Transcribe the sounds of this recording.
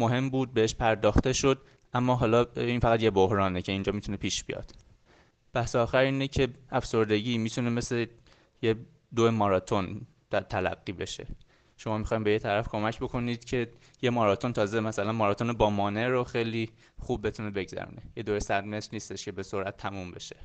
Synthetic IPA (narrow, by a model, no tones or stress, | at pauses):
moɦe̞mbuːd̪̚beheʃpʰæɾd̪ɒːxt̪e̞ʃo̞d̪̚ | ʔæmːɒːɦɒːlɒːiːnfæɣæt̪je̞bohɾɒːnecʰe̞iːnd͡ʒɒːmit̪unepʰiːʃb̥ḭjɒ̰ːd̪̥ | b̥æhseɒːxæɾiːnecʰe̞æfso̞ɾd̪e̞ɟiːmiːt̪ʰune̞me̞sle | je | d̪oemɒːɾɒːt̪ʰo̞n | t̪æt̪ʰælæ̰ɡːiːbe̞̰ʃe̞̰ | ʃo̞mɒːmixɒːjimbejet̪ʰæɾæfkʰo̞mæcʰbo̞kʰo̞niːd̪̥cʰe̞ | je̞mɒːɾɒːt̪ʰo̞nt̪ʰɒːze̞mæsælænmɒːɾɒːt̪onebɒːmɒːne̞ɾoxejliː | xubːe̞t̪ʰune̞be̞ɡzæ̰ɾṵnejed̪oesæd̪me̞sɾniːst̪e̞ʃcʰe̞be̞so̞ɾʔæt̪ʰːæmumbe̞ʃe̥